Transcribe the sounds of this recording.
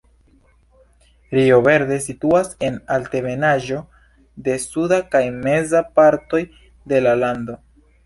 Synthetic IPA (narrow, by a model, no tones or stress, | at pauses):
ɾio̞ve̞ɾde̞situase̞nalte̞ve̞naʒo̞ | de̞sudakajme̞zapaɾto̞j | de̞lalando̞